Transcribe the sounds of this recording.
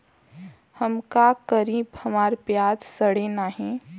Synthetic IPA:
həmkakəɾiːbhəmaːɾpjaːd͡ʒsəɽenaːɦẽː

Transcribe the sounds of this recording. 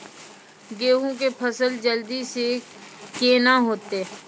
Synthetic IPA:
ɡeːɦõk̬epʰəsəld͡ʒəld̪ise | kenaɦoːt̪eː

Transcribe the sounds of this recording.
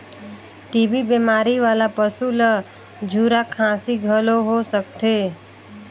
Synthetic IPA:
ʈiːbibemaːɾiʋaːlapəsulə | d͡ʒʱuːɾakʰãːsiɡʱəloɦosəkt̪ʰeː

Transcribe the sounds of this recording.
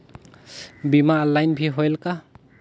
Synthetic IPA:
bimaːlajnbʰiɦɔjlka

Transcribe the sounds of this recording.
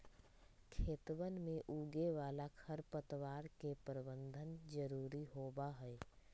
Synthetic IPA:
kʰeːt̪wənmẽʔuːɡeʋaːlakʰəɾpət̪ʋaːɾkepəɾbə̃nd̪ʱənd͡ʒəɾuːɾiɦoːbaɦɛɛ

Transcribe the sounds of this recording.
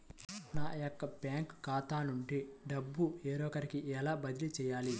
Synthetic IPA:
naːjokːɐpjaːŋkkaːt̪aːnuɳʈiɖɐbːueːɾɔːkɐɾikiʔɛlaːbɐd̪ilit͡ʃɛːjaːli

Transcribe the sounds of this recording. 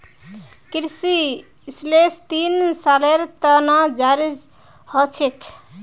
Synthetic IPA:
kɾsi | slest̪insaleɾt̪ənad͡ʒaɾid͡ʒ | hət͡ʃʰekʰ

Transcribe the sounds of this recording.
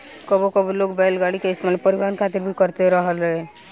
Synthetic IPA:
kəbokəbilokbɛlɡaɽikeɪst̪emalmepəɾiʋaːnkʰat̪ɪɾbʱikəɾt̪eɾəɦəlɦɛ

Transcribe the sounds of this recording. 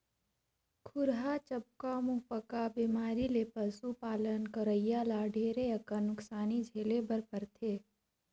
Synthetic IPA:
kʰʊɾɦat͡ʃəb̚kamupəkabiːmaːɾileːpəsupaːlənkəɾəjːaːlaɖʱeːɾeəkənʊksaːnid͡ʒʱeːlebəɾpəɾt̪ʰeː

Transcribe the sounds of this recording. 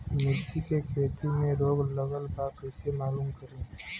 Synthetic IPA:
mɪɾt͡ʃikekʰeːt̪imẽɾoːɡləɡəlbaːkɛːsemaːluːmkəɾẽː

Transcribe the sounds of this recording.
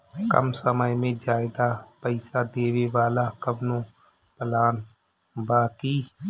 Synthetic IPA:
kə̰msəməjmẽd͡ʒaːeɡapəɪsad̪eːweʋaːlakəbnõ | pəlaːn | baːkiː

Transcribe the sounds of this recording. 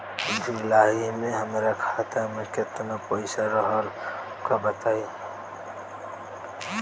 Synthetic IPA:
d̪iɪlaːɦimẽɦəmɾakʰat̪amekɪt̪napoɪsaɾəɦəl | kabət̪aːi

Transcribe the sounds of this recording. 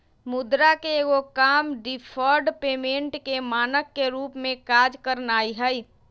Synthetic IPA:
mʊd̪ɾakeɡokaːmɖipʰɔɾɖpeːmẽɳʈkemaːnəkːeɾuːpmẽkaːd͡ʒkəɾnaːiɦə

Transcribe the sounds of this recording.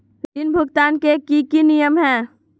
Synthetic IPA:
ɾinbʱʊɡt̪aːnkekikinijəmɦɛ̃ː

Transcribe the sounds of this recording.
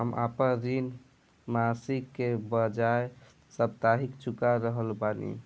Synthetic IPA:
ɦəmʔa̰pəɾin | masikːebəd͡ʒae | səb̚t̪aɦikt͡ʃʰukaɾəɦəlbanḭ

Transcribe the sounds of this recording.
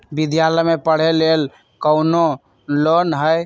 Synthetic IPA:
bid̪jaləjmepəɽ̤elel | kəʊno | lonɦəj

